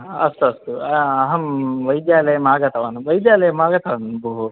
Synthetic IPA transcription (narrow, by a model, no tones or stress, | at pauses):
ɐst̪uɐst̪uɐɐɦɐmʋɐjd̪jaːlɐjɐmaːɡɐt̪ʰɐʋɐnʋɐjd̪jaːlɐjɐmaːɡɐt̪ʰɐʋɐnbʱuɦu